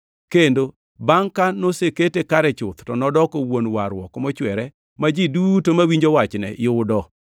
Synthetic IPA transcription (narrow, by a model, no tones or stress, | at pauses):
kendo | baŋkanoseketekaɾɛt͡ʃʊt̪tɔnɔdɔkɔwonwaɾwɔ̰kɔmɔt͡ʃwɛɾɛ | mad͡ʒidutomawiɲd͡ʒowat͡ʃnɛ̰jʊʊdɔ